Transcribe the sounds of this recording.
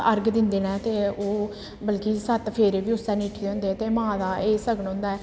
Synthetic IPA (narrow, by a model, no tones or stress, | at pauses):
əɾɡd̪ɪnd̪eːnɛ̃ːt̪eːoː | bəlkiːsət̪pʰeːɾeːbiːʊsɛːniːʈʰːd̪eʊ̃ːnd̪eːɛt̪eːmãːd̪aːeːsəɡənõːnd̪aːɛː